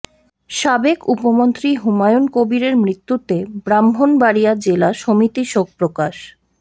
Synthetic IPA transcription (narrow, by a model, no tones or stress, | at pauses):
ʃabekupomont̪ɾiɦumajonkobiɾeɾmɾit̪ːut̪ebɾambʱonbaɽijad͡ʑelaʃomit̪iʃok̚pɾokaʃ